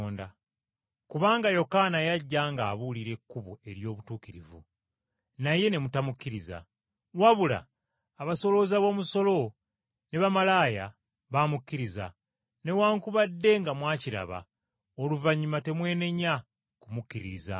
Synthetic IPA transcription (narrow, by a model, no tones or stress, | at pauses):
nda | kuβaːŋɡajo̞kanajaɟːaːŋɡaːβuliɾe̞kːuβue̞ɾjo̞ːβutuːkiɾḭvṵ | naje̞ne̞mutamukːiɾiza̰ | waβula̰ː | βaso̞lo̞zaβo̞ːmuso̞lo̞ | ne̞βamalaːja | βaːmukːiɾiza̰ | ne̞waːŋkuβadːe̞ŋɡamwaːciɾa̰βa̰ | oluvaɲːumate̞mwe̞ːne̞ɲa | kumukːiɾiɾiza̰